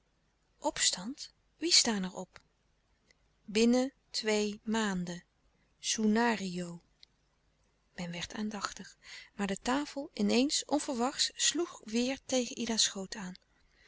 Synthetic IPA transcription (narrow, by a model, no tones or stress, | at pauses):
ʔɔpstɑnt | ʋistaːnɛɹɔp | bɪnə | tʋejmaːndə | sunaːriow | mɛnʋɛɹtaːndɑχtəχmaːɹdətaːfəlˠɪnejnsʔɔnv̥əɹʋɑχtsluχʋɪːɹtejχənʔidasχowtaːn